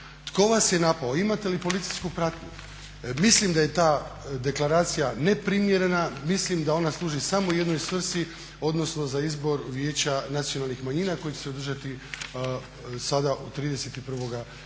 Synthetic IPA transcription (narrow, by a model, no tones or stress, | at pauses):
t̪ko̞ʋasje̞napaoimat̪e̞lipo̞lit̪sijskupɾat̪ɲu | mislimd̪aje̞t̪aːd̪e̞klˠaɾaːt̪sijane̞pɾimje̞ɾe̞namislimd̪ao̞naslˠuːʒisamoje̞d̪no̞jsʋr̩si | o̞d̪no̞sno̞zaizbo̞ɾʋjeːt͡ɕanat̪sijo̞nalˠnixmaɲiːnako̞jit͡ɕese̞od̪r̩ʒat̪i | sad̪aʔot̪ɾiːd̪e̞set̪ipr̩ʋo̞ɡa